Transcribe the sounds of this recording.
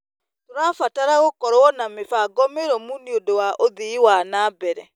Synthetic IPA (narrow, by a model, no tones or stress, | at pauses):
toɾafataɾaɣokɔɾɔnamefaɡɔmeɾɔmuniodowaʔoðiiwanaːbɛɾɛ